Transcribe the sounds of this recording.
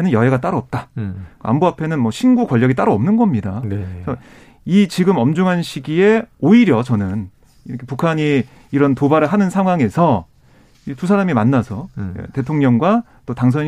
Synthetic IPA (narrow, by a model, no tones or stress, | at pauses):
enɯnjʌɦeɡat͈aɾoʌp̚t͈aka̰mboapʰe̞nɯnmʌɕʰinɡukwʌʎːʌɡit͈aɾoʌmnɯnɡʌmɲidasʰʌ | it͡ɕiɡɯmʌmd͡ʑuŋɦanɕʰiɡie̞oiɾjʌt͡ɕʌnɯn | iʌkʰepukʰaɲiː | ɾʌntobaɾɯɭɦanɯnsʰaŋɦwaŋe̞sʰʌ | itus̬ʰaɾamimanːasʰʌḛte̞tʰoŋɲʌŋɡwa | t͈otaŋs̬ʰʌɲ